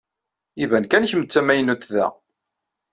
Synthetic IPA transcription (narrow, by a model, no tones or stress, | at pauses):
ivænkænçəmət͡sːæmæjənut̪ðæ̰